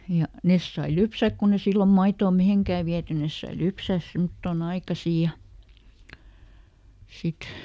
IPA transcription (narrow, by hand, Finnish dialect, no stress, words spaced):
jɑ nes sɑi lypsæk kun e silːom mɑitoː miheŋkæː ʋiæty nes sɑi lypsæˑs semŏtːoˑn ɑikɑsiˑ jɑ sit